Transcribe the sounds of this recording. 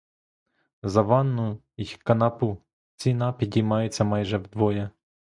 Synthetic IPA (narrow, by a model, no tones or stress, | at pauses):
zɐʋɑnːʊ | ikɐnɑpu | t͡sʲinɑpʲidʲijmɑjʊt͡sʲːɐmɑjʒɛwd̪ʋɔjɐ